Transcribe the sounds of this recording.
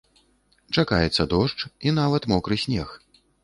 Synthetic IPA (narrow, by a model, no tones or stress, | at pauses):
t͡ʂakajɛt̪sːɐd̪ɔʂt͡ʂinavɐt̪mɔkɾɨsʲnʲɛx